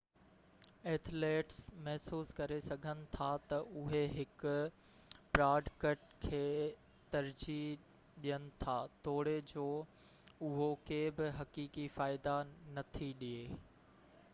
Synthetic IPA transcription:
eːt̪ʰleːʈsmɛɦsuːskɐɾesɐɡʱənɪ̆t̪ʰat̪ɐʔʊɦeɦɪkʊ | pɾaːɖkɐʈkʰeː | t̪ɐɾd͡ʑi | ɗijənɪ̆t̪ʰaːt̪oːɽed͡ʑoː | ʊɦokeːbɪɦɐkiːkifaːɪd̪anɐt̪ʰiɗieː

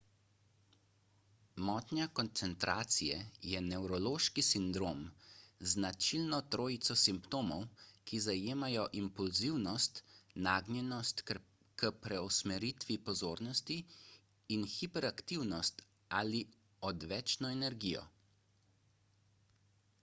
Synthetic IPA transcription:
mɔːt̪njakɔnt̪sɛnt̪ɾʔaːt̪sijɛjɛnɛwɾɔloːʃkisind̪ɾoːmznat͡ʃilnɔt̪ɾoːjit̪sɔsimpt̪oːmɔwkizajeːmajɔʔimpulziwnɔst̪naːɡnʲjɛnɔst̪ | kəpɾɛɔsmɛɾit̪ʋipɔzoːɾnɔst̪iː | nxipɛɾakt̪iwnɔst̪ | aːli | ɔd̪ʋɛːt͡ʃnɔɛnɛɾɡiːjɔ̰

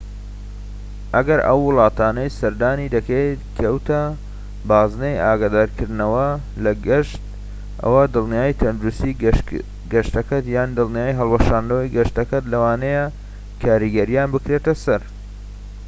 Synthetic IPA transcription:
ʔɐɡɐɾʔɐ̰wːʊlˠɑːt̪aːnɐjsɐɾd̪aːnid̪ɐket̪kʰɐwt̪ɐ | baːznejaːɡaːd̪aːɾkʰɨɾd̪nɐwɐ | lɐɡɪʃt̪̚ | ʔɐ̰wɐd̪ɨlˠnijaːjt̪ʰɐnd̪uɾust̪i | ɡɐʃt̪ɐkɐt̪jaːnd̪ɨlˠnijaːjɦɐlˠwɐʃaːnd̪ɐwɐjɡɐʃt̪ɐkɐt̪lɐwaːneja | kʰaːɾiɡɐɾijaːnbɨkɾet̪ɐsɐɾ

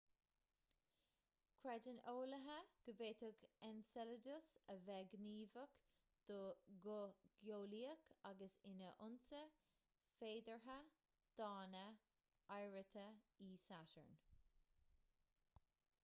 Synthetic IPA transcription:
kʰɹɛdənoːləɦəɡ̥əveːt̪əɡɛnsɛlədʊsəvɛɡniːvək | d̪̥oɡʊɡ̥joːliːəkʰaɡəsɪnəʔʊnsə | feːd̪əɹɦə | d̪̥ɑːnə | ajɹət̪ʰəiːsaʃə̰ɹn

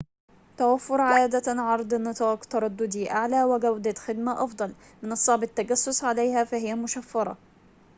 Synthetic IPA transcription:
t̪awafːʊɾˤʕaːd̪aʕɑɾˤd̪ˤnat̪aːkt̪ɑɾˤɑd̪ːʊd̪iʔaʕlaːwɪɡawd̪at̪xɪd̪maʔɑfd̪ˤɑl | mɪnʔɑsˤːɑːbɪt̪ːaɡasːʊsʕalajhafaɦɪjːamʊʃafːɑɾˤɑ̰

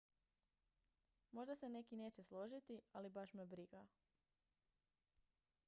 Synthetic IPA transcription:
mo̞ʒd̪ase̞ne̞kine̞ːt͡ɕe̞slˠo̞ʒit̪ialibaʃmebɾiɡa

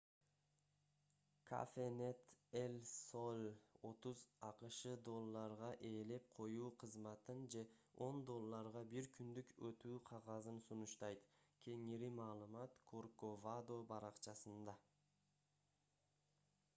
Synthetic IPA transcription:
kʰa̰fene̞t̪elʲsolʲo̞t̪uzɑqɯʃɯd̪o̞lˠːɑɾʁɑʔe̞ːle̞p̚qʰo̞juːqʰɯzmɑt̪ɯnd͡ʒe̞o̞nd̪o̞lˠːɑɾʁɑbiɾkʰynd̪ykøt̪yːqʰɑʁɑzɯnsunuʃt̪ɑjt̪kʲʰe̞ŋiɾimɑːlˠɯmɑt̪kʰorkovad̪o̞bɑɾɑqt͡ʃɑsɯnd̪ɑ

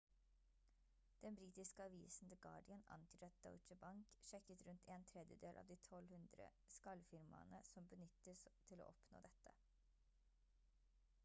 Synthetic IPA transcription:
d̪̥ɛnbɾiːt̪ɪskəɑʋiːsn̩d̪əɡɑ̰ːɖɪənɑ̰nt̪ʰyːɾɑt̪̚d̪ɑ̰t͡ʃəbɑŋkʃɛkət̪ɾʉnt̪ʰeːnt̪ʰɾɛd̪jəd̪eːlʔɑ̰ːʋd̪iːt̪ʰɔlhʉnd̪ɾə̰skɑlfɪɾmɑ̰nəsɔmbənʏt̪əst̪ʰɪlo̰ːʔɔpno̰ːd̪ɛt̪ːə

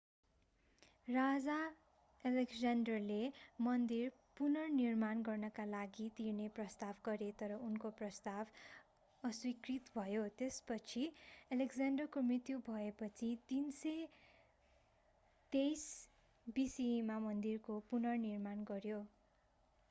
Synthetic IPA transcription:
rad͡za | elekd͡zanɖʌrlemʌnd̪ir | punʌrnirmanɡʌrnʌkalaɡit̪irneprʌst̪abɡʌɾet̪ʌɾʌunkoprʌst̪ab | ʌswikrit̪bʱʌjot̪espʌt͡sʰielekd͡zanɖʌrkomrit̪jubʱʌepʌt͡sʰit̪inse | t̪ejs | bisimamʌnd̪irkopunʌrnirmanɡʌɾjo

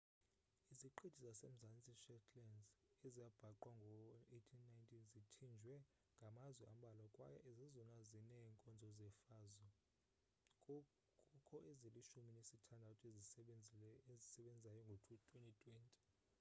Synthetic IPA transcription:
iziǃʰed̥ʱizasem̩zant͡sʼiʃɛtʼʰlɛnzɛzijab̥ʱaǃwaŋɡʱɔetʰinːajntʼʰizitʰind͡ʒʱwɛ | ŋɡʱamazwɛʔam̩ɓalakʼwajaʔezizɔnazinɛŋkʼɔnd͡zʱɔzɛfaːzɔ | kʼɔkʰɔʔeziliʃuminesitʰandʱautʰʼezi | ezisɛɓɛnd͡zʱizajɔŋɡʱotʰutʰwentʼitʰʼwɛntʼi̥

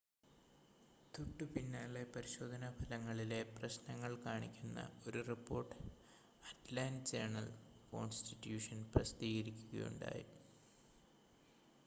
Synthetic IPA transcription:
t̪uʈːɨpinːaːɭepɐɾiɕo̞ːd̪ʱɐnɐbʱɐlɐŋːɐɭile̞prɐɕnɐŋːɐɭkaːɳikʲːunːɐ̰o̞ɾuripːo̞ːrʈːɨ | ɐʈlaːnt͡ɕeːɳɐlko̞̰ːnstitːjuːʂɐnprɐsd̪iːɣɐɾikʲːuɣɐ̰jṵɳɖa̰ːjḭ

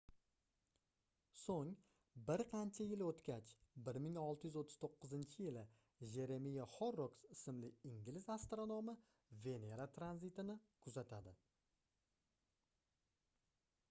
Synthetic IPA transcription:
soŋ | bɪɾqʰɑnt͡ʃʰajɪlot̪kʲat͡ʃbɪɾmɪŋɒlˠt̪ʰɪjyzot̪ʰːɪz̥t̪ʰoqʰːɨzɪnt͡ʃʰɪjɪlɪ | ʒe̞ɾe̞mijaχoɾːoksɪsɪmlɪɪŋɡʲlɪzast̪ɾonomɪ | ve̞ne̞ɾat̪ʰɾanzit̪ɪnɪkʰʊzat̪ʰad̪ɪ

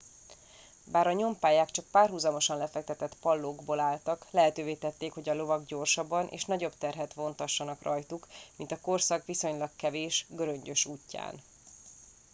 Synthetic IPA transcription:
baːɾɒɲo̞mpaːjaːkt͡ʃɒk̚paːrɦuzɒmo̞ʃɒnlɛfɛk̚t̪ɛt̪ɛt̪pɒlːoːɡboːlaːlt̪ɒklɛɦɛt̪øːveːt̪ɛt̪ːeːkho̞ɟɒlo̞vɒɡɟo̞rʃɒbːɒnʔḛːʃnɒɟo̞bt̪ɛrɦɛt̪ʋo̞nt̪ɒʃːɒnɒkrɒjt̪ukmint̪ɒko̞rsɒkʋiso̞ɲlɒkkɛveːʃɡøɾø̞ɲɟø̞ʃuːcːa̰ːn

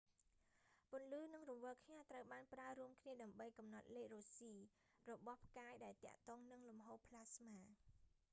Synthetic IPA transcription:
pʊ̆ənlɨːnɨŋrɔʋəːkʰɲaːt̪rəwɓaːnpraəɾuəmkʰniəɗaəmɓəjkɑmnɑt̪̚leːk̚roːsiː | rɔɓɑhpʰkaːjɗaɛlt̪ɛ̆əʔt̪ɔːŋnɨŋlumɦoːpʰlaːsmaː

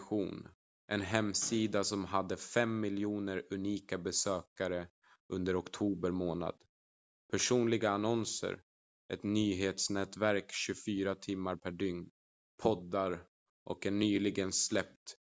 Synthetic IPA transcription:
ɧṵːn | ʔɛnɦɛmsiːd̪asɔmɦad̪ːəfɛmːɪljuːnəɾɵniːkabɛsøːkaɾə | ʔɵnd̪əɾɔkt̪ʰuːbəɾmoːna̰d̪ | pʰæʂuːnlɪɡaːnɔnsə̰ɾ | ʔɛt̪nyːɦeːt̪snɛːt̪væɾkɕɵfyːɾat̪ʰɪmːaɾpʰæɖʏŋn | pʰɔd̪ːaɾ | ʔɔ̰kɛnːyːlɪɡənslɛp̚t̪

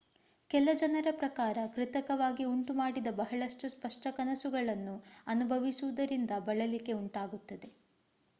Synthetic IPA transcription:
kɛlɐd͡ʒɐnɐɾɐpɾɐkaːɾɐkɾit̪ɐkɐʋaːɡiuɳʈumaːɽid̪ɐbɐɦɐɭɐʂʈuspɐʂʈɐkɐnɐsuɡɐɭɐnːuɐnubʱɐʋisuʋud̪ɐɾind̪ɐbɐɭɐlike̞uɳʈaːɡut̪ːɐd̪e̞

